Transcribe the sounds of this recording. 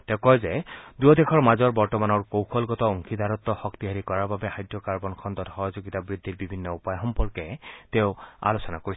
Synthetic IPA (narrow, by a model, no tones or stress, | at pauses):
t̪ɛʊkɔjzɛduɔdekʰɔɹmazɔɹbɔɹtɔmanɔɹkowkʰɔlɡɔtɔɔŋkʰid̪ʱaɹɔt̪ːɔxɔkt̪iɦaɹikɔɹaɹbabɛajdɹɔkaɹbɔnkʰɔnd̪ɔthɔɦɔzoɡit̪abɹid̪ʱːiɹbibʱinːɔupajɦɔmpɔɹkɛtɛʊa̰losɔnakoɹi